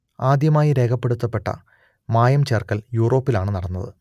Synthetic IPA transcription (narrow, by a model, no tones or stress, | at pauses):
aːd̪jɐmaːjiɾe̞ːkʰɐpːe̞ɽut̪ːɐpːe̞ʈːɐ̰ | maːjɐmt͡ɕeːrkɐljuːro̞ːpːilaːɳɨnɐɽɐnːɐðɨ̰